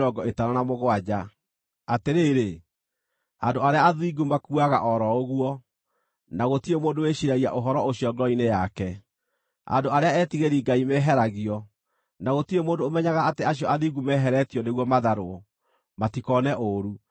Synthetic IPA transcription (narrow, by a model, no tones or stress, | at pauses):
ɾɔɡɔetaɾanamoɣwad͡ʑa | ateɾeːɾe | andoaɾeaaðiɡumakuaɣa̰ʔɔɾɔoɣwɔ | naɣotiemoːndoweɕiɾaia̰ʔoɦɔɾɔoɕiɔɡɔinejakɛ | a̰ndoaɾeaɛːtiɣeɾiɡaimɛɦɛɾaɣiɔ | naɣotiemoːndoːmɛɲaɣaateaɕjɔaðiɡumɛːɦɛɾɛtiɔneɣwɔmaðaɾoɔ | matikɔnɛʔoɾu